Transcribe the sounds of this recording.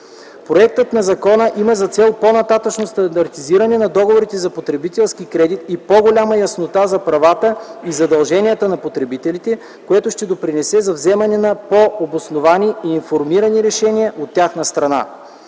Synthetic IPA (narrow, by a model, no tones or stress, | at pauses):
pɾoɛk̚t̪ət̪nɐzɐkɔnəʔiməzɐt̪sɛlˠponɐt̪at̪ət͡ʃnost̪ɐnd̪ɐɾt̪iziɾɐnɛnɐd̪ɔɡovoɾit̪ɛzɐpot̪ɾɛbit̪ɛlˠskikɾɛd̪it̪ipoɡolʲaməjɐsnot̪azɐpɾɐvat̪əizɐd̪ɐlˠʒɛnʲijət̪ənɐpot̪ɾɛbit̪ɛlit̪ɛ | koɛt̪ʊʃt̪ɛd̪opɾinɛsɛzɐvzɛmɐnɛnɐpoobosnovaniiːnfoɾmiɾɐniɾɛʃɛnijəʔot̪ʲːjaxnɐst̪ɾɐna̰